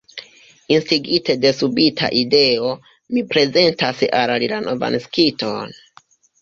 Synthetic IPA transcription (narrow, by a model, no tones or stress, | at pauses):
instiɡite̞de̞subitʰa̰ʔide̞o̞ | mipɾe̞ze̞ntasalalilano̞va̰nskitʰon